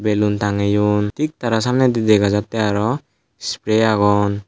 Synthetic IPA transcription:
belunt̪aŋejunt̪ik̚t̪aɾasamnɛd̪idɛɡazat̪ːɛaɾɔ | spɾeaɡɔn

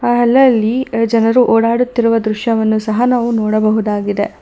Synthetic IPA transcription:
ɦɛlːɐɐlːid͡ʒɐnɐɾuʔɔːɽaːɽut̪ːiɾuʋɐd̪ɾuʃjɐʋɐnːusɐɦɐnaːʋunɔːɽɐbɐɦud̪aːɡid̪e

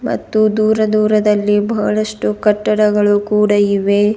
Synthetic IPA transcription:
mɐ̰t̪ːud̪uːɾɐd̪uːɾɐd̪ɐlːibɐɦɐɭɐʂʈukɐʈːɐɽɐɡɐɭukuːɽɐiʋe

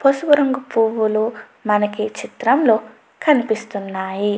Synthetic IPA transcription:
pʰosubɐɾɐŋɡupuːʋulu | mɐnɐkit͡ʃit̪ɾɐmloː | kʰɐnipist̪unːaːji

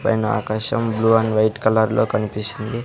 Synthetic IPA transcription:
pɐ̰jnɐa̰ːkaːʃɐmbluːɐnʋɐjʈkɐlɐɾlo̞ːkɐnipisind̪i

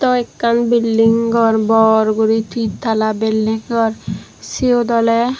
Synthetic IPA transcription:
t̪ɔekːanbilːiŋɡɔɾbɔɾɡuɾit̪ʰit̪ʰːalabilːiŋɡɔɾ | siod̪ɔle

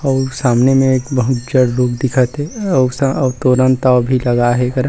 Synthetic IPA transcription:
ɔːɾsaːmnemẽeːkbɐɦʊt̪d͡ʒəɽɾoːkd̪ɪkʰət̪ɦɛst̪oːɾə̃nt̪abʱilɐɡaɦɛkɐɾ

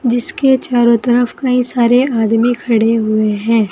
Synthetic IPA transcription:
d͡ʒɪsket͡ʃaːɾõt̪ɐɾəfkɐĩsaːɾeaːd̪mikʰɐɽeɦʊeɦɛ̃ː

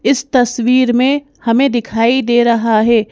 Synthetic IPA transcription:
ɪst̪ɐswiːɾmẽ | hɐmẽd̪ɪkʰaːid̪eːɾɐɦaɦɛː

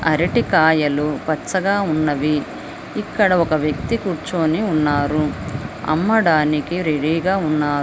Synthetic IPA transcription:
ɐɾiʈikaːjɐlupɐt͡ʃːɐɡaːunːɐʋiː | kːɐɽɐɔkɐʋjɐkt̪ikuːɾt͡ʃoːniunːaːɾuɐ̰mːɐɽaːnikiɾe̞ɽiːɡaːunːaː

